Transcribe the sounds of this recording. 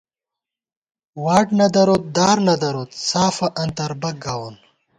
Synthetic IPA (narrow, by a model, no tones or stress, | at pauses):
waːʈnɐd̪ɐɾot̪̚d̪aːɾnɐd̪ɐɾoːt̪saːfɐʔɐnt̪ɐɾbɐɡɐwon